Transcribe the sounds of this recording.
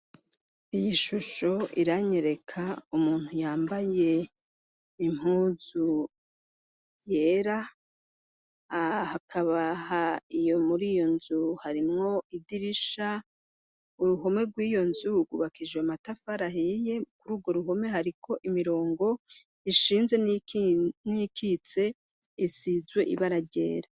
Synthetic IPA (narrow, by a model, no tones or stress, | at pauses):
ijiʃuʃo̞ḭɾaɲe̞ɾe̞kʰaumuːn̥hujaːmbaje̞ | im̥uːzu | je̞ɾa | hakʰaβahaijo̞muɾijo̞nzuhaɾimŋo̞idiɾiʃa | uɾuɦo̞me̞ɾɡwiːjo̞nzuɡuβakid͡ʒweamatafaɾaɦeje̞kuɾuːɡwo̞ɾuɦo̞me̞ɦaɾikʰo̞ʔimiɾo̞ːŋɡo̞ | iʃiːnze̞ | nikit͡se̞ | isizwe̞ʔḭβaɾaɟḛːɾa